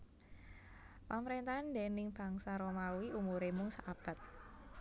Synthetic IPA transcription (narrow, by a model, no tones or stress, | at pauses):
paməɾent̪aandenɪŋb̥a̤ŋsaɾomawiʔumuɾemʊŋsaab̥a̤t̪̚